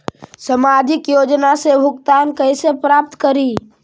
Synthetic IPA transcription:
səmad͡ʒɪkjod͡ʒnasebʱʊkt̪aːnkəɪsepɾap̚t̪kəɾi

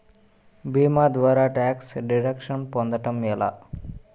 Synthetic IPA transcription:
bimad̪ʋaɾaʈɛksɖiɽəkʃənpɔ̃nd̪əʈəmjela̰

